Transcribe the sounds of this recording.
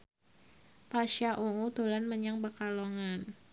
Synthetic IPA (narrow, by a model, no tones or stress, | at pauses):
paʃaʔuut̪ulanməɲaŋbəkaloŋan